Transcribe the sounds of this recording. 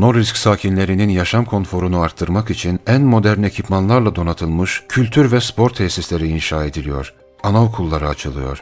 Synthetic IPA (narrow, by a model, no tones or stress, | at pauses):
no̞ɾɾiscʲsaːcʰinlʲe̞ɾininjaʃamkʰo̞nfo̞ɾunuaɾt̪ʰːɯɾmakit͡ʃʰinænmo̞d̪æɾne̞cʰipmanlˠaɾlˠad̪o̞nat̪ʰɯlˠmɯʃcʰylʲt̪ʰyɾvɛspʰo̞ɾt̪ʰːɛsislʲe̞ɾiːnʃaːe̞d̪ilʲijo̞̰ɾ̥ | anaokʰulˠːaɾɯat͡ʃʰɯlˠɯjo̞̰ɾ̥